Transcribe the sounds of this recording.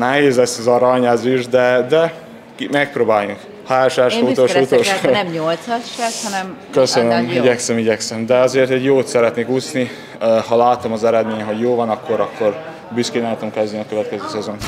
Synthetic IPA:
nɛɦeːzlɛsːɛzɒɾɒɲazyʒd̪ɛd̪ɛ | kmɛk̚proːbaːjuŋk | haːoʃaːʃut̪ot̪oʃnɛmɲolt̪sɒʃlɛshɒnɛmkøsønømiɟɛksɛmiɟɛksɛmd̪ɛɒzeːrt̪ɛɟjoːt̪sɛɾɛt̪neːkusni | hɒlaːt̪omɒzɛɾɛd̪meːɲɛɦo̞ɟjoːvɒnɒkʰːo̞ɾɒkːo̞r | byskeːnaːt̪omkɛzd̪niɒkøvɛt̪kɛzøːsɛzon

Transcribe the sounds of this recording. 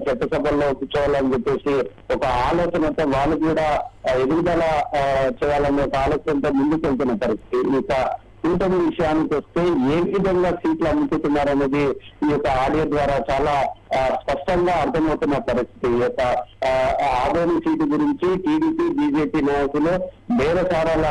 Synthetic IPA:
t͡ʃɛt̪ːɐsɐbʱɐlːo̞ːkit͡ʃuːʋaːlɐnd͡ʒepːe̞ːsi | ɔkɐaːlɔːt͡ʃɐnɐt̪oːʋaːɭːukuːɽaːed̪uʋid̪ɐlaːt͡ʃɛːjaːlɐniɔkɐaːlɔːt͡ʃɐnt̪oːmund̪ukelt̪̬unːɐpɐɾist̪ʰi̥t̪iikɐ | unʈɐniʋiʂɐjaːnikʋɐst̪e̞ːeːʋʋid̪ʱɐŋɡaːsiːʈlɐmut͡ʃ̪uʈunːaːɾɐnːɐd̪iiːjɔkːɐaːɽijɐd̪ʋaːɾaːt͡ʃaːlaːspɐʂʈɐŋɡaːɐɾt̪ʰɐmɐwut̪unːɐpɐɾist̪ʰi̥t̪iɔkːɐ | aːd̪ʱoːnɐmsiːʈ̬iɡuɾiɲt͡ʃiʈiːɽiːpiːbiːd͡ʒe̞ːpiːnaːjɐkulo | ʋɛːɾɐt͡ʃaːɾaːlɐ

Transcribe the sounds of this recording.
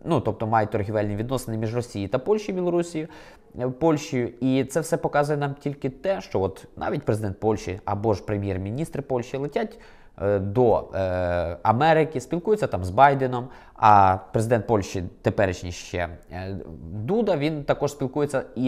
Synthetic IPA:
nut̪ɔp̚t̪ɔmɑjɛt̪ɔrɦʲiʋɛlʲniʋʲid̪nɔsenɪmʲiʒrɔsʲijit̪ɐpɔlʲʃʲijbʲilˠɔɾusʲijʊ | pɔlʲʃt͡ʃʊjʊit̪sɛwsɛpɔkɑzʊjɛnɑmtʲilʲkɪt̪ɛʃt͡ʃɔʋɔt̪nɑ̰ʋʲitʲpɾezɪd̪ɛnt̪pɔlʲʃt͡ʃḭɐ̰bɔʒpɾemʲjɛrmʲinʲist̪ɾɪpɔlʲʃt͡ʃilˠɪtʲatʲ | d̪ɔ | ɐmɛɾɪkɪsʲpʲilˠkujɪt͡sʲːɐt̪ɑmzbɑjd̪enɔm | ɐpɾezɪd̪ɛnt̪̚pɔlʲʃt͡ʃit̪epɛɾɪt͡ʃnʲiʃt͡ʃɛ̰ | d̪ud̪ɐʋʲint̪ɐkɔʃsʲpʲilˠkujet͡sʲːɐi

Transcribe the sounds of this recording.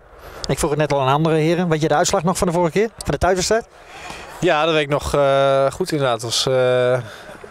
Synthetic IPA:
ɪkfruxətnɛtɔlˠənɑndərəhɪəɾənʋɪt̬jədəœɥtslaxnɔxfɔndəfoːrəxəkɪːrfɔndətɛɥtfəstɛt | jaːdɔtʋeɪknɔxxutɪndərdaːtɔs

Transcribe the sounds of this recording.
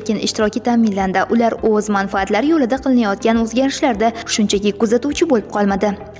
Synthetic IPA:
kʲɪnɪ̰ʃt̪ɪɾɒkʲɪt̪ʰamɪnland̪aʔʊlaɾɵzmanfaːt̪laɾɪjolɪd̪aqʰɨlˠɪnajɒt̪̚kʲanɵzɡʲaɾɪʃlaɾd̪aʃʊnt͡ʃʰakʲɪkʊzat̪uwt͡ʃʰɪbolɪp̚qʰɒlˠmad̪ɪ

